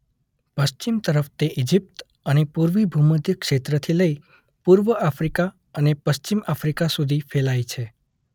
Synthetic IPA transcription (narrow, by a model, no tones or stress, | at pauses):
pəst͡ʃimt̪əɾəft̪eʔid͡ʒip̚t̪ | ənepuɾʋibʱuməd̪jəkʃet̪ɾət̪ʰiləi | puɾʋəʔafɾika | ənepəst͡ʃimafɾikasud̪ʱifʰelajt͡ʃʰe